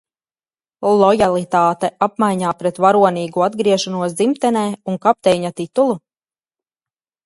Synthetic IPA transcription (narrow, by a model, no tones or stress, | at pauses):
lˠɔjalˠit̪aːt̪ɛʔapmajɲaːpɾɛt̪vaɾuɔniːɡuad̪ɡɾiɛʃɔnuɔs̬d̪zimt̪ɛnɛːuŋkap̚t̪ɛjɲat̪it̪ulˠu